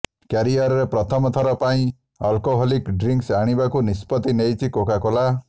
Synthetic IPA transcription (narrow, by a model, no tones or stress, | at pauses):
kjaɾiaɾɔɾepɾɔt̪ʰɔmɔt̪ʰɔɾɔpaĩ | ɔlkɔɦɔlikɖɾiŋksaɽ̃ibakunispɔt̪inejt͡ʃʰikokakɔla